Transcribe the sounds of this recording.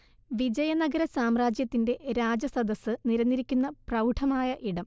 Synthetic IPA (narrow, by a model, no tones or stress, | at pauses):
ʋid͡ʑɐjɐnɐɡɐɾɐsaːmraːd͡ʑjɐt̪ːinde̞ɾaːd͡ʑɐsɐd̪ɐsːɨniɾɐnːiɾikʲːunːɐprɐwʈʰɐmaːjɐʔiɽɐm